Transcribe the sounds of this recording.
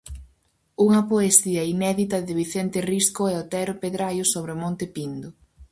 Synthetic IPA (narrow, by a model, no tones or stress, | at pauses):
uŋɐpoesiɐinɛðit̪ɐðɪβiθent̪ɪriskʊɛot̪ɛɾʊpeðɾajʊsoβɾɪʊmõnt̪ɪpind̪ʊ